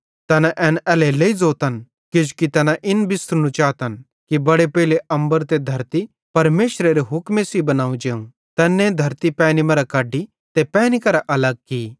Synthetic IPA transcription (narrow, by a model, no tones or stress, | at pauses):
t̪ɛːnãʔɛːnɛːleleːid͡zoːt̪ɐn | kɪd͡ʒukit̪ɛːnãʔɪnbɪst̪ɾnũt͡ʃaːt̪ɐn | kibɐɽepeːɪleʔɐ̃mbəɾt̪ed̪ʱɐɾt̪i | pɐɾmeːʃɾeɾeɦʊkmesibɐnaːũd͡ʒeːũ | t̪ɛːnːẽd̪ʱɐɾt̪ipɛːnimɐɾakaːɖːi | t̪epɛːnikɐɾaʔɐlɐɡ̚ki